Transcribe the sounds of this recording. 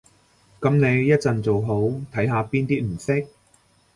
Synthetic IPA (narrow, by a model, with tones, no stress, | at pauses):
kɐ˨˥mne˨˧jːɐ˥t̚t͡sɐ˨nt͡so˨wɦo˨˥wt̪ʰɐ˨˥jɦaː˨˧piː˥nt̪iː˥t̚m̩˨˩sɪ˥k̚